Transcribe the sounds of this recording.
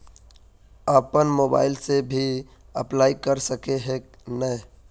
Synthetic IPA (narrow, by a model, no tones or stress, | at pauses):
əpənmoːba̰ːɪlsebʱi | ə̰plaːikəɾsəkeɦeːnə